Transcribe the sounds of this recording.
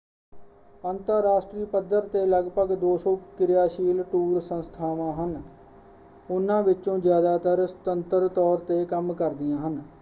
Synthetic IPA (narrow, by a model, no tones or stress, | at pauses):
ənt̪əɾːaːʃʈɾiːpəd̪ːəɾt̪eːləɡpəɡd̪oːsõːkɪɾɪjaːʃiːlʈuːɾsənst̪ʰaːʋãːɦən | ʊnːãːʋɪõːd͡ʒjaːd̪aːt̪əɾst̪ənt̪əɾt̪ɔːɾt̪eːkəmkəɾd̪ɪjãːɦən